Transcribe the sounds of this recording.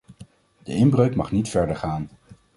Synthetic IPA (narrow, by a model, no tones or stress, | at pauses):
d̥əɪmbrøɥkmɑχnitfɛɹdəɹχaːn